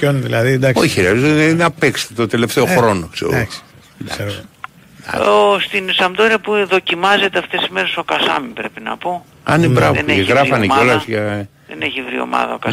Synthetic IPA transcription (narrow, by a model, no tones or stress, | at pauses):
onðilɐðid̪ɐko̞çixɾiɐzonɐpekse̥t̪et̪ot̪e̞le̞ft̪eo̞xɾo̞noksḛo̰ɣos | d̪ɐeɾ | ɐ̰ost̪insɐmd̪oɾiɐpuðo̞cimɐze̞t̪eɐft̪e̞sizme̞ɾe̞so̞kɐsɐ̰mipɾe̞pinɐ̰po | ɐnibɾɐveneeɣɣɾɐfɐnekeo̞lɐzʝɐ | ðḛneçivɾio̞̰mɐ̰ðɐokɐ